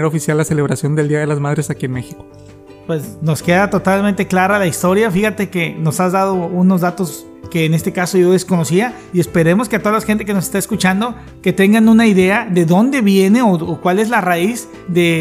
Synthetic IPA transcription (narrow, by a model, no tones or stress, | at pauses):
eɾofisjalːase̞leβɾasjo̞nd̪eld̪iaðe̞lazmaðɾesakienmexiko̥ | pwe̞sno̞ske̞ðat̪o̞t̪almẽnt̪e̞klaɾalaist̪o̞ɾjafixat̪e̞ke̞no̞sazðað̞o̞uno̞zðat̪o̞s | ke̞ːne̞st̪e̞kaso̞ʝo̞ðe̞sko̞no̞sia | ie̞spe̞ɾe̞mo̞skeat̪o̞ðalaxent̪e̞ke̞nosest̪aeskut͡ʃand̪o̞ | ke̞t̪e̞ŋɡanunaiðe̞aðe̞ðo̞nd̪e̞βje̞ne̞ookwale̞zlaraiz | ðe̞